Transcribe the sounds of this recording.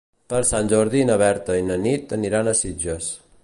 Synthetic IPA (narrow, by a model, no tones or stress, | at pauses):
pəɾsanʲd͡ʒoɾðinəβɛɾt̪əinənit̪əniɾanəsid͡ʒəs